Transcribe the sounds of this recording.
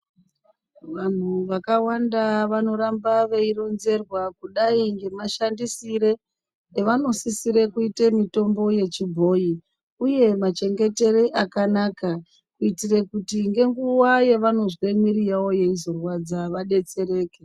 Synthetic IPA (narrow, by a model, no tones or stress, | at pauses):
ʋan̤uʋakawandaʋano̞ɾambaʋe̞iro̞nze̞rwakuɗaiŋɡe̞maʃandisiɾe | eʋano̞sisiɾekuitemito̞mbo̞je̞t͡ʃibʱo̞ji | uje̞mat͡ʃe̞ŋɡe̞te̞ɾeʔakanaka | kuitirekutiŋɡe̞ŋɡuwaje̞ʋano̞zwe̞miɾijawo̞je̞izo̞rwad͡zaʋaɗe̞t͡se̞ɾe̞ːke